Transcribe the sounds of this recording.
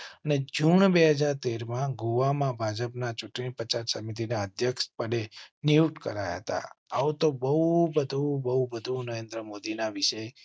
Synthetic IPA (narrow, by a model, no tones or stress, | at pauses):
əned͡ʒuɳbeɦəd͡ʒaɾt̪eɾmãɡuʋamãbʱad͡ʒəpnat͡ʃuʈɳipət͡ʃaɾsəmit̪̬inaəd̪ʱjəkʃpəɽeniuʈkə̰ɾaja̰ɦət̪a̰at̪obəubəd̪ʱubəɦubəd̪ʱũnəɾẽnd̪ɾəmod̪inaʋiʃə